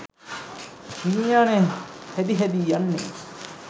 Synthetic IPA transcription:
hinjaːnehed̪iɦæd̪iːjɐnːḛ

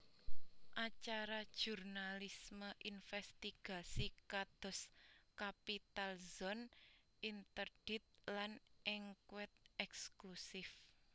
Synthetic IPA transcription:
ʔat͡ʃaɾad̥ʒ̥urnalisməʔinfɛst̪iɡ̥a̤sikad̪̥ɔ̤skapit̪alzɔn | ʔint̪ərɖ̥it̪̚lanʔɪŋkwɛt̪̚ɛksklusɪf

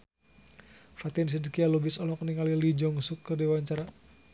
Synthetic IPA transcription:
fat̪ins̬idkialubɪsɔlɔkəniŋalilid͡ʒɔŋsukːərdiwaɲt͡ʃaɾa

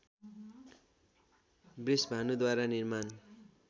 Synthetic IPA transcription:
brisbʱanud̪waɾanirman

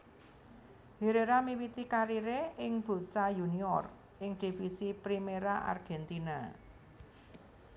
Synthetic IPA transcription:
heɾeɾamiwit̪ikaɾiɾeɪŋb̥ṳt͡ʃajuniɔ̰r | ʔɪŋɖ̥i̤fisipɾimeɾaʔa̰rɡ̥ɛnt̪ina

